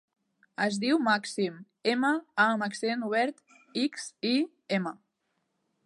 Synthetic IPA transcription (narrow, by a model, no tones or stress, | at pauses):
əzðiwmaksim | eməaməksienuβ̞ɛɾt̪ | iksi | emə